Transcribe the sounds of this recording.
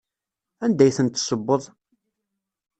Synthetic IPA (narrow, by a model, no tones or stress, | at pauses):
ænd̪æjθənt̪ːsəbːəðˤ